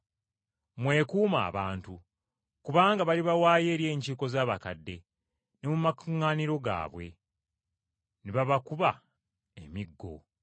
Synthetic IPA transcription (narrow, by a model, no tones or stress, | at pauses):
mwe̞ːkuːma̰ːβaːntu | kuβaːŋɡaβaliβawaːje̞ːɾje̞ːɲciko̞zaːβakadːe̞ | ne̞mumakuŋːaːniɾo̞ɡa̰ːβwe̞ | neβaβakuβa | emiɡːo̞̰